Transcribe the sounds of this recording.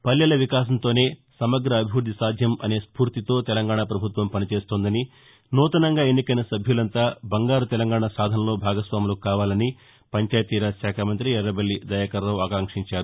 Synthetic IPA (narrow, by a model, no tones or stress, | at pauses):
pɐlːɐlɐʋikaːs̬ɐnt̪o̞ːne̞ːsɐmɐɡɾɐːbʱiʋuɾd̪ʱisaːd̪ʱjɐmɐ̰ne̞ːspuːɾt̪it̪o̞ːt̪ɛlɐŋɡaːɳapɾɐbʱut̪ʋɐmpɐnit͡ʃe̞ːst̪oːnd̪ɐni | nuːt̪ɐnɐŋɡaːenːikɐjnɐsɐbʱjulɐnt̪aːbɐŋɡaːɾut̪ɛlɐŋɡaːɳasaːd̪ʱɐnɐlo̞ːbʱaːɡɐsʋaːmuloːkkaːʋaːlɐni | pɐɲt͡ʃaːjɐt̪ːiːɾaːʃaːkʰaːmɐnt̪ɾiɛɾːɐbɐlːid̪ɐjakɐɾːɐwaːkaːŋkʂiɲt͡ʃaːɾu